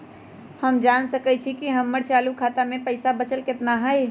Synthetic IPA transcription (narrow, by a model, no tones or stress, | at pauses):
həmd͡ʒansəkət͡ʃʰikiɦəmːəɾt͡ʃaːlukʰaːt̪amẽpəɪsabət͡ʃəlkɪt̪naɦəj